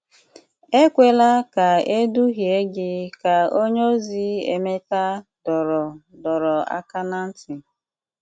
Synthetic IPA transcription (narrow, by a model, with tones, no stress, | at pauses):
e˦kʷe˨la˦ka˨e˦du˦ɦje˦ɡɪ˦ka˨o˦ɲ˦o˦zi˦ḛ˨me˦ta˦d̥ɔ˨ɾɔ˨dɔ˨ɾɔ˨a̰˦ka˦na˦n̩˦tɪ˨